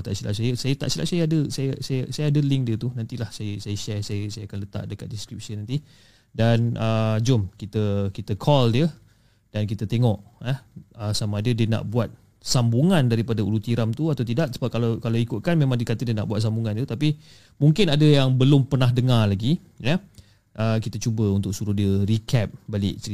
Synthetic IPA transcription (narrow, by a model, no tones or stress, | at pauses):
t̪a̰ʔsilʔa̰ʔsajəsajət̪aʔsila̰ʔsajəadəsajəsajəsajəadəlɪŋdiət̪unant̪ilahsajəsajəʃɛrsajəsajaakanlət̪a̰ʔdəka̰t̪̚diskɾip̚sənant̪i | danʔəd͡ʒʊmkit̪əkit̪əkʰɔldiə | d̥ankit̪ət̪eŋɔʔəəsamadədiəna̰ʔbuwat̪̚ | sambuŋandaɾipadaulut̪iɾamt̪uat̪awt̪̬idaʔsəbap̚kalakalawikʊt̪̚kanmẽmãŋdiəkat̪ədiəna̰ʔbuat̪sambuŋãnt̪ut̪api | muŋkɪnadəjaŋbəlʊmpərnaɦdəŋarlaɡi | jə | ʔəkit̪ət͡ʃubəunt̪ʊk̚suɾuhdiəɾikɛp̚balɪ̰ʔt͡ʃəɾi